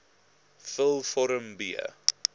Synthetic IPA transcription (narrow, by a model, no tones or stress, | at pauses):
fəlˠfɔɾəmbiə̰